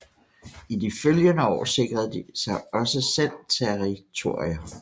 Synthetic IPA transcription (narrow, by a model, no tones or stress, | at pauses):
id̥iføljənəɒ̰ːse̝ɡ̥ʁɐð̩ˠd̥isɑ̈ɪɒ̽səsel̰t͡sʰeʁit͡sʰo̝ɐ̰iɐ